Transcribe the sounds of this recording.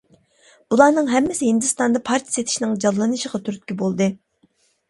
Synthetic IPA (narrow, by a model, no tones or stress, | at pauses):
bulˠɑnɨŋɦɛmːɪsɪɦɪnd̪ɨst̪ɑnd̪ɑpʰɑɾt̪ʰijset̪ʰɪ̥ʃinɪŋd͡ʒɑlˠːɨnɨʃəʁɑt̪ʰyɾt̪̚kʲybolˠd̪ɨ